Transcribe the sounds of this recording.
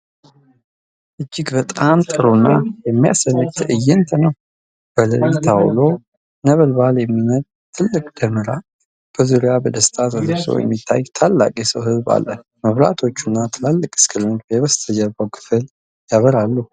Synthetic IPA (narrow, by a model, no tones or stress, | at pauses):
ʔɨd͡ʒːɪɡbət̪ʼamt̪ʼɨɾunːajɛmːija̰sənɡt̪ʰɨjːɛnt̪ʰənəw | b̥ələjt̪ʰawlo | nəβəlbaljɛmːimət̪ʼ | t̪ʰːɨlːɨkʼd̪̥əmɨɾa | b̥əzuɾɪjabəd̪əst̪ʰat̪əzsə̰wjɛ̰mːit̪ʰːa̰jt̪ʰalːa̰kʼisəwɦɨzba̰lːə | məβɾa̰t̪ʰo̞t͡ʃːunːat̪ʰɨlalːɨkʼɨ̥skʰɨlmɨt̪bjɛβəst̪ʰəd͡ʒəɾbəwkʰɨ̥fɨl | jaβəɾalːu